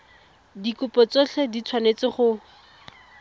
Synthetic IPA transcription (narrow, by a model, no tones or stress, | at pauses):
dikʊpɔt͡soɬʰedit͡sʰwanet͡sɪχʊ